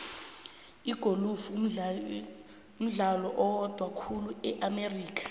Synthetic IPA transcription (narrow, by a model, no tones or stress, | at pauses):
iɡ̥ʱolufu | um̩ɮalɔʔɔwd̥ʱwakʰuluɛʔameriːk̬ʰḁ